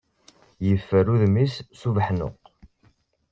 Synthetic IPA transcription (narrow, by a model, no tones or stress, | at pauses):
jəfːəɾuðmisːuvħnʊ̰q